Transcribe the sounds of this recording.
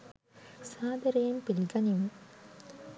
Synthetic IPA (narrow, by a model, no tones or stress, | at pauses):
saːd̪ɐɾɐjɐmpilɡɐnim